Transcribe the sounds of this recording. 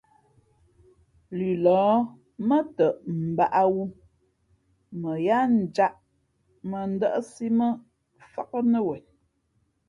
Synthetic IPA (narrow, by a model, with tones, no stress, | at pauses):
lʉ˨lɔː˨˦ | mə˦tə˨ʔm̩˨ba˦ʔa˦wu˦ | mə˨ja˦n̩˨d͡ʒa˦ʔ | mə˨n̩˦də˦ʔə˦si˦mə˦ | fa˦k̚ə˦nə˦wɛ˨